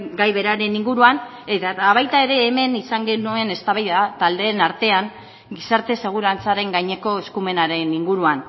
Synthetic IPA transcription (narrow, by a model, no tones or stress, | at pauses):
ɡajβe̞ɾaɾe̞niŋɡuɾuan | et̪at̪aβajt̪ae̞ɾe̞ːme̞nisaŋɡe̞nue̞ne̞st̪aβajðat̪ald̪e̞ːnaɾt̪e̞aŋ | ɡisaɾt̪e̞se̞ɣ̞uɾant͡saɾe̞ŋɡajɲe̞ko̞e̞skume̞naɾe̞niŋɡuɾuan